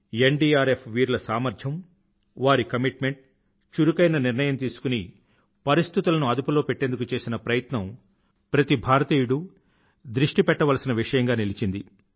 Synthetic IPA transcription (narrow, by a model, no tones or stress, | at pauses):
e̞ɳɖiːaːɾepʋiːɾulɐsaːmɐɾd͡ʒʱjɐm | ʋaːɾikɐmiʈme̞ɳʈ̚ | t͡ʃuɾukɐjnɐniɾnɐjɐmt̪̬iːsu̥kuni | pɐɾist̪it̪ulɐnuɐd̪upulo̞ːpeʈːe̞nd̪ukut͡ʃe̞ːsinɐpɾɐjɐt̪nɐm | pɾɐt̪ibʱaːɾɐt̪iːjuɽu | d̪ɾiʂʈipɛʈːɐʋɐlɐsinɐʋiʂɐjɐŋɡaːnilit͡ʃind̪i